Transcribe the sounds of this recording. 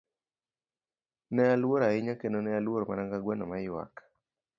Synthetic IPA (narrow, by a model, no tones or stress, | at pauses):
nɛalwoɾaɪɲakenonɛalwoɾɔmanaŋɡaɡwɛnɔmaɪwa̰kḁ